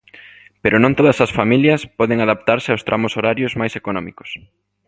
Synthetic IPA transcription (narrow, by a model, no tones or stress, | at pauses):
peɾʊnõŋt̪oðɐsɐsfamiljɐspɔðeŋaðap̚t̪aɾsɪawst̪ɾamʊsoɾaɾjʊzmajsekonɔmikʊ̥s